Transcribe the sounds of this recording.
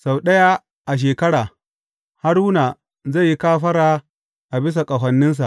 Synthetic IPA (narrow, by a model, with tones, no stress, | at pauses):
sa˨wɗɐ˦ja˦ | ʔa˨ʃ̬eː˨kɐ˦ɽaː˨ | ha˦ɽʊ˦na˨ | za˦˨jːi˦kaː˦ɸɐ˦ɾaː˦ | ʔa˨bɪ˦s̬a˨kʼɐ˨ɦʷɐ˨nːɪ˦ns̬a˨ʔ